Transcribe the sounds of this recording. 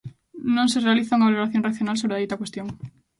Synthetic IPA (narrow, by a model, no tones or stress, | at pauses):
nõnserealiθauŋaβaloɾaθjonreθjonals̬oɾeðijt̪akwest̪joŋ